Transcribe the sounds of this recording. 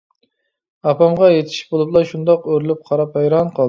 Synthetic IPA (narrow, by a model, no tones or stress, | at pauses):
ɑpʰɑmʁɑjet̪ʰi̥ʃbolˠublˠɑʃund̪ɑqøɾlɪp̚qʰɑɾɑphɑjɾɑnqʰɑlˠ